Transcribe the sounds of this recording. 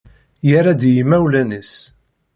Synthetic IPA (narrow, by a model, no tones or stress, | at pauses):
jaɾad̪jimæwlænis